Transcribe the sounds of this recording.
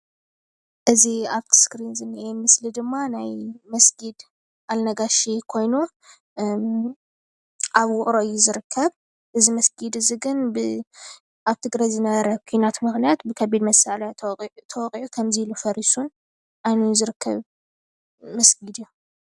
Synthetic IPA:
ʔɨziaβt̪ʰɨ̥skɾinzɨnːiʔemɨslid̪ɨmːanajmɐsɡid̪ | ʔalnɐɡaʃikʰo̞jnu | ʔaβwʊkʼɾoɨjːuzɨɾɨkʰːɐβ | ʔɨzimɐsɡid̪ɨziɡɨnbɨ | ʔaβt̪ʰɨɡɾajzɨnɐβɐɾɐkʰinat̪mɨxnijat̪bɨkʰɐbid̪mɐsaljt̪ʰɐwɔkʼiʕukʰɐmzilɨfɐɾisun | ʔajnujzɨɾɨkʰːɐ̰β | mɐsɡid̪jːu

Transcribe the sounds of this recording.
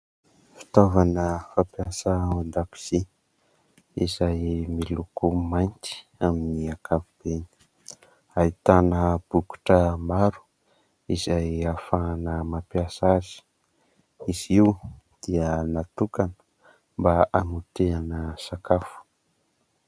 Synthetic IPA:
fi̥t̪ovanəfapjasəmand̪api̥z̥i | izajmilukumajnt̪i̥ | aminiakʰavub̥eni̥ | ait̪anəb̥uku̥ʈ͡ʂəmaɾu̥ | izajafaːnəmapjasazi̥ | iz̥iw | d̪̥iənat̪ukanə̥ | mbaanut̪eanəsakafu̥

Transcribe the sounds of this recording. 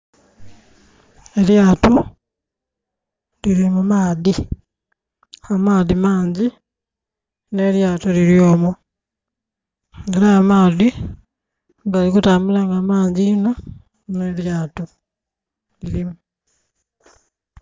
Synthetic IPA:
eɾjaːtu | liɾimumaːði | amaːðimaːɲɟi | ne̞ːɾjaːtoliɾjoːmo | eɾaːmaːði | ŋɡalikutaːmulaŋɡamaːɲɟino | neːɾjaːtu | liɾimu

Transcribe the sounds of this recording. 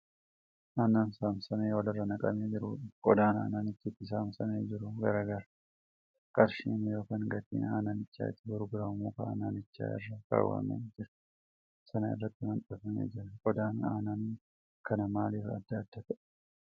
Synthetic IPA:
ʔaːnaːnsaːmsɐneːwɐlɪrːɐnɐkʼɐ̰meːd͡ʒɪɾuːᶑɪkʼɔd̪aːna̰ːnaːnɪt͡ʃːɪt̪ːɪs̬aːmsɐneːd͡ʒɪɾʊɡɐɾɐɡɐɾɐ | kʼɐɾʃiːnjo̞ːkaŋɡɐt̪ḭːna̰ːnaːnɪt͡ʃːa̰ːɪ̰t̪ːɪɡʊɾɡʊɾɐmuːkɐa̰ːnaːnɪt͡ʃːa̰ːɪ̰rːɐka̰ːwa̰ːmɐ̰nːd͡ʒɪɾɐ | sɐnɐɪ̰rːɐt̪ːɪmɐnt̪ʼɐfɐmḛːd͡ʒɪɾɐkʼɔd̪aːna̰ːnaːn | kʰɐnɐmaːliːfɐd̪ːaːd̪ːɐt̪ɐ

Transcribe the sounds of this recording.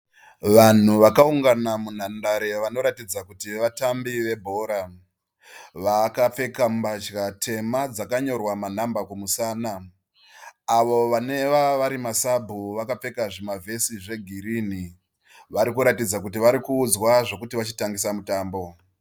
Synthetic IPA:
ʋan̤uʋakauŋɡanamun̤andaɾe̞ʋano̞ɾatid͡zakutiʋatambiʋe̞bʱo̞ːɾa | ʋakap͡fe̞kambat͡ʃkatʰe̞mad͡zakaɲo̞rwaman̤ambakumusaːna | ʋo̞ʋane̞ʋaʋaɾimasabʱuʋakap͡fe̞kaʐimavʱe̞siʐe̞ɡʱiɾini | ʋaɾikuɾatid͡zakutiʋaɾikuːd͡zwaʐo̞kutiʋat͡ʃitaŋɡisamutaːmbo̞

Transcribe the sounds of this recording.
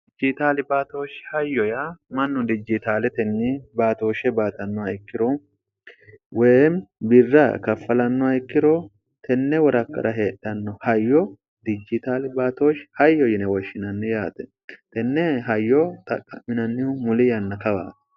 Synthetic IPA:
ɪd͡ʒɪt̪aːlɪbaːt̪oːʃhɐjːɔjamɐnːʊd̪ɪd͡ʒɪt̪aːlɛt̪ɛnːɪbaːt̪o̞ːʃɛbaːt̪ɐnːɔɐɪkːɪɾɔ | wɛmbɪrːɐkɐfːɐlɐnːɔɐɪkːɪɾɔ | t̪ʰɛnːɛwɔɾɐkːɐ̰ɾʔɐɦe̞ːɗːɐnːɔhɐjːɔ | d̪ɪd͡ʒɪt̪aːlɪbaːt̪oːʃhɐjːɔjɪnɛwɔʃːɪnɐnːɪjaːt̪ɛ | t̪ɛnːɛɦɐjːɔt̪ʼɐkʼːɐmːɪnɐnːɪʊmʊlɪjɐnːɐkɐba̰ːt̪

